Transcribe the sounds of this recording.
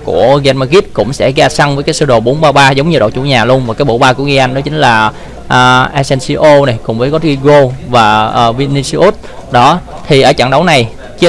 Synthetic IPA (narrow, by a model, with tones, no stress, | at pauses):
ku˧˩əɣɛ˧nmaː˧ɣi˦˥t̚kʊ̰˧˥ŋ͡msɛ̰˧˥ɣaː˧sa˧ŋvəː˨˦jkaː˨˦jsəː˧ɗo˨˩ɓo˨˦nɓaː˧ɓaː˧zə˨˦wŋ͡mɲɨ˧ɗo̰˨˩t͡ɕṵ˧˩ɲaː˨˩lu˧ənvaː˨˩kaː˨˦ɓo̰˧˨˩ɓaː˧ku˧˩əɣi˧ʔa˧jŋɗɔ˨˦t͡ɕï˨˦ŋ̟laː˨˩ | ʔːʔa˧sɛ˧nsi˧ʔo˧na˨˩jkʊ˨˩ŋ͡mvəː˨˦ɣɔ˨˦t̚ɣi˧ɣo˧vaː˨˩əː˨˩vi˧ni˧si˧ʔu˦˥t̚ɗɔ˨˦ | t̪ʰi˨˩ʔəː˧˩t͡ɕa̰˧˩ŋɗə˨˦wna˨˩j | t͡ɕi˨˦˥